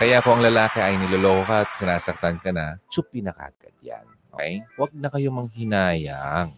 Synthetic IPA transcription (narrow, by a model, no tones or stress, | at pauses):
kɐjakʊʔɐŋlɐlaːkɛʔɐjnɪloloːkɐt̪̚sɪnaːsɐk̚t̪ankɐnɐt͡ʃʊpɪnɐka̰ɡ̥ɐ̰ɡja̰nʔʔo̰ːkɛjwɐɡ̚nɐkɐjomɐŋhɪnaːjaŋ